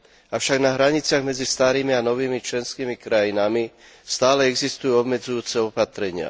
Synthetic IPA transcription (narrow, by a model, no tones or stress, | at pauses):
afʃaɡnaɦɾaɲit͡sɪaɣmɛd͡zist̪aːɾiːmianɔʋiːmit͡ʃlɛnskiːmikɾajinami | st̪aːlɛɛɡzist̪ujuɔbmɛd͡zujuːt͡sɛɔpat̪ɾɛɲɪa̰